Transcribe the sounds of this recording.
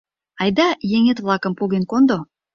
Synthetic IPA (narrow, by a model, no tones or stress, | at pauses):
ɑjd̪ɑjeŋet̪βlˠɑkə̆mpoɣenkond̪o